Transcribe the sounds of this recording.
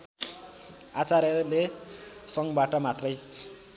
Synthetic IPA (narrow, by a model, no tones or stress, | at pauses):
at͡saɾʌle | sʌŋbaʈʌmat̪rʌj